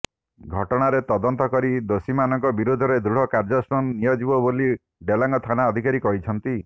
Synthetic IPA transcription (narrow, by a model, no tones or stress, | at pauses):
ɡʱɔʈɔɽ̃aɾet̪ɔd̪ɔnt̪ɔkɔɾid̪osimanɔŋkɔbiɾud̪ʱɔɾed̪ɾuɽ̤ɔkaɾd͡ʒɔsɾɔnːijɔd͡ʒibɔboli | ɖelaŋɡɔt̪ʰanaɔd̪ʱikaɾikɔɦit͡ʃʰɔnt̪i